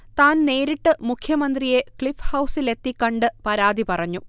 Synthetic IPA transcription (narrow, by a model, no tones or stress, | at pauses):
t̪aːnne̞ːɾiʈːɨmukʰjɐmɐnd̪rije̞kɭifhɐwsile̞t̪ːikːɐɳɖɨpɐɾaːd̪ipɐrɐɲːu